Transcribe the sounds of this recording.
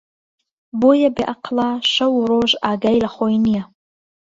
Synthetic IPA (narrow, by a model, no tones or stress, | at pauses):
bojabiʔaqʰlaʃawɾoʒaɡajlaχʷojnija